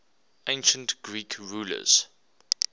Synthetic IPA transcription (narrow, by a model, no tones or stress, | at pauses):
ẽɪ̃nʃə̃ntɡ̥ɹiːkʰɹuːlə̰z̥